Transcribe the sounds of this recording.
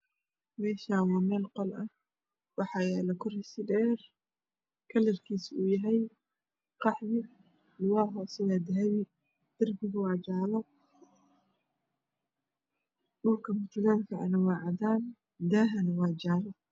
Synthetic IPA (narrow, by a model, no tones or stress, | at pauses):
mɛːʃaːwɑːmɛːlqɔlɐ | wɑħɑjaːlɐkʰʊrɪsɪdɛːr | kʰɐlɪrkʰiːsuːjɐɦɛj | qɑħðɪ | lʊwaːɦɔːsɛjaːd̪ɐɦɐβɪ | d̪̥ɐrbɪɣʊwɑːd͡ʒaːlɐ | dʊrkʰɐmʊt͡ʃ̪ʊɣaːŋkʰɐʕɐ̰nɐwɑːʕɑðaːn | d̪aːɦɐnwɑːd͡ʒaːlɐ